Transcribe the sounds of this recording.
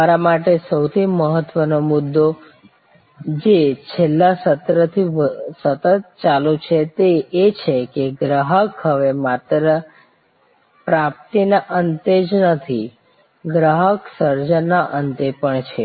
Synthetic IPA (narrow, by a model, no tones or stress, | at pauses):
aɾamaʈesəwt̪ʰiməɦət̪ːʋənomud̪ːo | d͡ʒet͡ʃʰelːasət̪ɾət̪ʰisət̪ət̪̚t͡ʃalut͡ʃʰet̪eːt͡ʃʰekeɡɾaɦəkɦəʋemat̪ɾə | pɾap̚t̪inaʔənt̪ed͡ʒnət̪ʰi | ɡɾaɦəksəɾd͡ʒənːaʔənd̪epəɳt͡ʃʰe